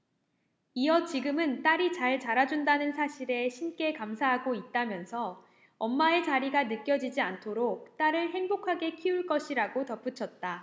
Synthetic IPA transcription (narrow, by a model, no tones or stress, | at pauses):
iʌt͡ɕiɡɯmɯnt͈aɾit͡ɕaɭt͡ɕaɾad͡ʑundanɯnsʰaɕʰiɾe̞ɕʰink͈e̞kamsʰaɦaɡoit̚t͈amjʌnsʰʌ | ʌmːae̞t͡ɕaɾiɡanɯk͈jʌd͡ʑid͡ʑiantʰoɾok̚t͈aɾɯɭɦe̞ŋbokʰaɡe̞kʰiuɭk͈ʌɕʰiɾaɡotʌp͈ut͡ɕʰʌt̚t͈a